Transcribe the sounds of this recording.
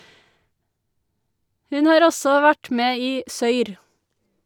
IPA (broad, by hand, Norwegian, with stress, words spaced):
ˈhʉn ˈhɑːɾ ˈɔsɔ ˈʋæʈ ˈmeː ˈiː ˈsœʏɾ